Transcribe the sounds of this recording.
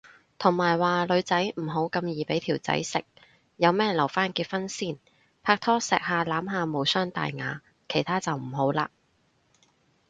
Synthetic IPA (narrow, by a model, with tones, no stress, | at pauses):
t̪ʰʊ˨˩ŋmaː˨˩jwaː˨lɵ˨˧ɥt͡sɐ˨˥jm̩˨˩ɦo˨˥wkɐ˧mjiː˨˩pe˨˥jt̪ʰiː˨˩wt͡sɐ̰˨˥jsɪ˨k̚ | jɐ˨˧wmɛː˥jlɐ˨˩wfaː˥nkiː˧t̚fɐ˥nsiː˥˩n | pʰaː˧k̚t̪ʰɔː˥sɛː˨k̚haː˨laː˨˥mɦaː˨˧mo˨˧wsœː˥ŋt̪a̰ː˨jŋa̰ː˨˧ | kʰe˨˩jt̪ʰaː˥t͡sɐ˨wm̩˨˩ɦo˨˥wla̰ː˧